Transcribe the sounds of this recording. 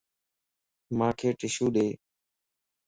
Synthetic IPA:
mãːkʰeːʈɪʃuːɗeː

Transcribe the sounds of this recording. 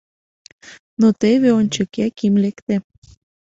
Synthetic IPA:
not̪eβeonʲt͡ɕŏkækimlekt̪e

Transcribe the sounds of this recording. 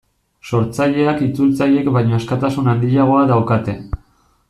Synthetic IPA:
so̞ɾt͡saʎe̞akit͡sult͡saje̞kbajɲo̞eskat̪asunand̪iʎaɣ̞o̞aðawkat̪e̞

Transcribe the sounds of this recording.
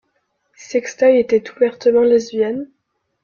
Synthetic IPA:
sɛkst̪ajet̪ɛt̪uvɛʁt̪əmɑ̃lɛzvjɛn

